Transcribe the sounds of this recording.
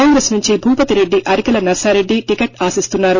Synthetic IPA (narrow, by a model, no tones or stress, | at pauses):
aːŋɡɾesnuɲt͡ʃibʱuːpɐt̪iɾe̞ɖːiʔɐɾikɐlɐnɐɾsaːɾe̞ɖːiʈikeʈaːsist̪unːaːɾu